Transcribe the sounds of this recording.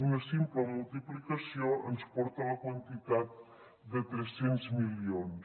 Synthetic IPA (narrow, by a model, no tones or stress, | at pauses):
unəsimpləmulˠt̪iplikəsioənspɔɾt̪ələkwənt̪it̪at̪̚ | d̪ət̪ɾɛsːenzmilions